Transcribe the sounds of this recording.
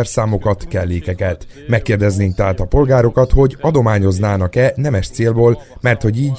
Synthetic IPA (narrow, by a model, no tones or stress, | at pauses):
ɛrsaːmo̞kɒt̪kɛlːeːkɛkɛt̪ | mɛkːeːrd̪ɛzneːŋkt̪ɛɦaːt̪ɒpo̞lɡaːɾo̞kɒt̪ho̞ɟɒd̪o̞maːɲo̞znaːnɒkɛnɛmɛʃt̪seːlboːlmɛrt̪ho̞ɟiːɟ